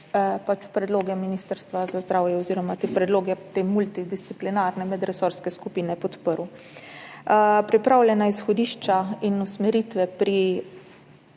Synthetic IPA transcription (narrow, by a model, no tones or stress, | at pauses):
pat͡ʃpɾɛd̪loːɡɛminist̪əɾst̪ʋazazd̪ɾawjɛɔziːɾɔmat̪eːpɾɛd̪loːɡɛt̪eːmult̪id̪ist̪siplinaɾnɛmɛd̪ɾɛsɔɾskɛskupiːnɛpɔt̪pəɾu | pɾipɾawlʲjɛnaisxɔd̪iːʃt͡ʃainusmɛɾit̪ʋɛpɾi